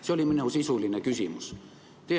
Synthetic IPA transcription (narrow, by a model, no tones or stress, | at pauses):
seoliminusisulːˑinekysimys | t̪e